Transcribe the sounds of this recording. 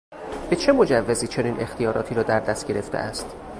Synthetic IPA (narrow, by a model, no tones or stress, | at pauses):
b̥e̞t͡ʃʰe̞mo̞d͡ʒævːeziːt͡ʃʰo̞niːnʔe̞xt̪ʰijɒːɾɒːt̪ʰiːɾɒːd̪æɾd̪æst̪ɡ̥ɟe̞ɾe̞ft̪ʰḛʔæst̪